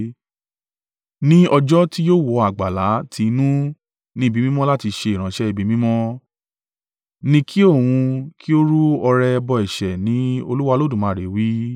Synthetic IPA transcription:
nĩ˦ɔ˧d͡ʒɔ˦ti˦joː˦˨wɔ˧˦a˨ɡ͡ba˨la˨˦tʰi˧nũ˦ | nĩ˦˧bi˨˧mĩ˦mɔ̃˦la˦ti˧ʃe˧i˨ɾ̃ã˨˦ʃɛ˦i˧˨bi˨˧mĩ˦mɔ̃˦ | nĩ˧kʰi˦o˦˨w̃ũ˧kʰi˦o˦ɾu˦ɔ˧ɾɛ˧bɔ˧ɛ˨ʃɛ˨nĩ˨˦o˧lu˦wa˧lo˦dũ˦˨mãː˨˦˨ɾe˨wi˦

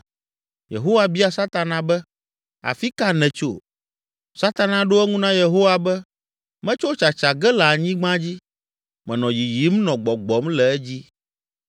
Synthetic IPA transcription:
jḛ˨ɦo˦wa˨bi˦a˦sa˦t̪a˨nã˨bɛ˦ | a̰˨fi˦ka˦nɛ̃˨t͡ʃo̰˦˨ | sa˦t̪a˨nã˨ɖo˦ɛ˦ŋũ˦nã˦je˨ɦo˦wa˨bɛ˦ | mɛ̃˦t͡ʃo˦o˦t͡ʃa˨t͡ʃa˨ɡɛ˦la˨ɲĩ˦ɡ͡bã˦d͡ʑi˦ | mɛ̃˨nɔ̃˨ji˨ji˨˦mnɔ̃˨ɡ͡bɔ˨ɡ͡bɔ˨˦mlɛ˨ɛ˦d͡ʑi˦

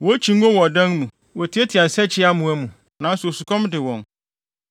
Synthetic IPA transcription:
wɔ˨˦t͡ɕʰĩ˨ŋ̩˦ɡɔ˦wɔ˨dã˦nnũ˨ | wɔ˨tʰɪ˨˦ɛ˦tʰɪ˨a˨sɛ˦t͡ɕʰɪ˦a˦mũ˨æ˦mũ˨ | nã˨˦sʊ˨o˨su˨kʰɔ̃˦mdɪ˨wɔ̃˨n

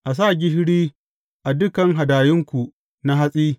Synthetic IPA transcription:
ʔa˨s̬a˦˨ɡʲɪ˦hɪ˦ɽiː˦ | ʔa˨dʊ˦kɐ˨ŋɦa˨daː˨jɪ˦ŋkʷu˨ | na˦ɦa˦sʼiː˦

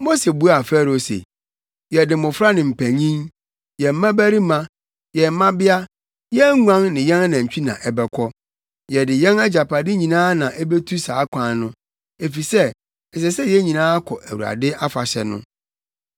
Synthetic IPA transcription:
mo˦se˨bu˦a˨fɛ˦ɾo˨sḛ˨ | jɛ˨dɪ˨mʊ̃˨fɾa˦nɪ̃˨m̩˨pʰæ˨ɲĩ˦n | jɛ˨m̩˨˦mã˦bæ˦ɾi˦mã˦ | jɛ˨m̩˨˦mã˦bɪ˦a˦ | jɛ˦ŋʷã˦ŋnɪ̃˨jɛ̃˦na˦nã˨ɲ̩˨t͡ɕᶣi˦nã̰˨ʔɛ˨bɛ˦kʰɔ˦ | jɛ˨dɪ˨jɛ̃˦nɛ˦d͡ʑa˨pʰa˨dɪ˦ɲĩ˨nãː˦nã˨ʔɛ˦be˦tʰu˦saː˨˦kʷʰãː˨nnʊ̃˦ | e˨fi˨sɛ˦ | ɛ˨s̬ɛ˨sɛ˦jɛ˦ɲĩ˨nãː˦a˦kʰɔ˨ʔæ˨wu˨a̰˨dɪ˦ʔa˦fa˨ɕɛ˨nʊ̰̃˦

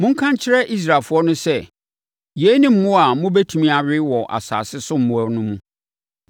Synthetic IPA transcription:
mʊ̃˦ŋ̩˦kʰã˦ɲ˦t͡ɕʰɪ˦ɾɛ˦ʔi˦s̬ɾaː˨fʊ˦ɔ˦nʊ̃˦sɛ˦ | je˨˦nĩ˦˨m̩ː˦ʊ̃˦a˨mʊ̃˦bɛ˦tʰũ˨mĩ˦a˨ɾɪ˦wɔ˨ʔa̰˨sa̰ː˨sɪ˦sʊ˦m̩˨mʊ̃˨ɔ˦nʊ̃˦mũ˦

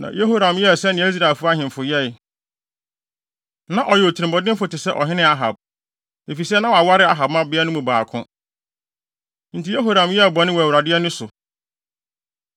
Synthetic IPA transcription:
nã̰˨je˦ɦo˦ɾã˨mjɛ˦˨sɛ˦nɪ̃˨˦i˦s̬ɾa˨e˨lfu˦a˦ɦɪ̃˨m˨fʊ˨jɛ˦ɪ˨ | nã˦ʔɔ˨jɛ˨o˨tʰɪ̃˨bɔ˨dɪ̃˦m˦fʊ˨tɪ˨sɛ˦ʔɔ̰˨ɦɪ̃˦nɪ̃˦a˦ɦa̰˨b̚ | e˨fi˨sɛ˦nã˦wa˨wa˦ɾɪ˦a˦ɦa˨b̚mã˦bɪ˦ɛ˦nʊ̃˦mũ˨baː˨kʰʊ̰̃˦ | n̩˨ti˦je˦ɦo˦ɾã˨mjɛ˦˨bɔ˨nɪ̃˦wɔ˨wu˨ɾa˨dɪ˦ɛ˦nʊ̃˦sʊ˨

